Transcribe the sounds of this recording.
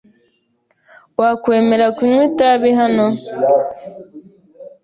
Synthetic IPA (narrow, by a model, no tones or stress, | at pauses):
wakweːmeɾakuɲwitaβiɦano